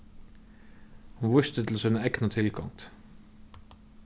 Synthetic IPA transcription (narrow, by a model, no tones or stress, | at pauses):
hɑnʋʊʃt̪ət̪ʰl̩oːsɛnəɛknɑt̪ʰɪlkʰɑ̰ŋt̪